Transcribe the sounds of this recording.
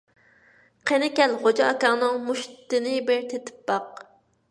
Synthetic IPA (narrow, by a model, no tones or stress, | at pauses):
qʰenɪkʲɛlχod͡ʒɑɑkɑŋnɨŋmuʃt̪ɨnɪbɪɾt̪ʰet̪ʰɪ̥p̚bɑq